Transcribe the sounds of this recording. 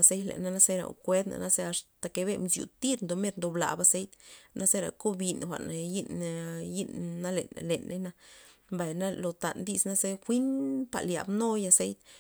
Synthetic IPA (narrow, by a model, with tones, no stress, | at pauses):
a˧se˦jlḛ˨na˧na˦se˦ɾa̰˨kʷe˦d̪na̰˨na˦ze˧a˧ʂt̪a˨ke˧be˧mzjṵ˨t̪i˦ɾnd̪o˨˧me˦ɾnd̪o˨bla̰˨ba˧se˦jt̪na˦se˦ɾa̰˨ko˦bi˧nxʷa̰˨ʔnji˦nji˦nːa˦lḛ˨n˨le˨nːʔe˦na˧mba˨jna˦lo˨t̪a̰˨nd̪i˧sna˦ze˦xʷi˦npa̰˨lja̰˨bno˦ja˧se˦jt̪